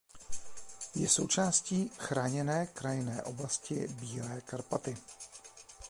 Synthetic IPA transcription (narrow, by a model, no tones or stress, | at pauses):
jɛso̞wt͡ʃaːsciːxɾaːɲɛnɛːkɾajɪnɛːʔo̞blascɪ̰biːlɛːkaɾpat̪ɪ